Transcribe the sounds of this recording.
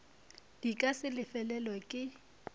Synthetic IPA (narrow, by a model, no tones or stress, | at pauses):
d̥ikʼasɪlɪfɛlɛlwakʼɪ